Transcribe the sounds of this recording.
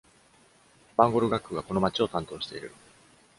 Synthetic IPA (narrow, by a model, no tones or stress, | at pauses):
bãŋɡo̞ɾɯ̟ɡakːɯɡako̞no̞mat͡ɕio̞t̪ãnt̪o̞ːɕi̥t̪e̞iɾɯ̰ɾɯ̟